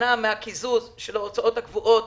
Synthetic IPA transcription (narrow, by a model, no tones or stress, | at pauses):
ameakizuzʃelaot͡saʔo̞thakvuʔo̞t